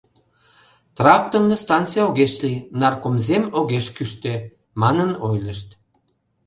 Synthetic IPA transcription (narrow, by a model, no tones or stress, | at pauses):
t̪rɑk̚t̪əmnest̪ɑnt̪t͡sijoɣeʃlinɑrkomzemoɣeʃkyʃt̪e | mɑnənojləʃt̪